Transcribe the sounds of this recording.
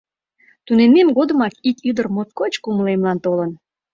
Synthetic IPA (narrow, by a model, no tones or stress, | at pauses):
t̪unememɡod̪əmɑkit̪yd̪ərmot̪̚kot͡ɕkuməlemlɑnt̪olən